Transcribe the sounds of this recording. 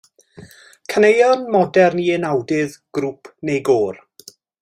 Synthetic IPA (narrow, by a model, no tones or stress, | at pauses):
kʰənejɔnmɔdɛrniɪnawdɪðɡ̥ɾuːpʰnejɡoːr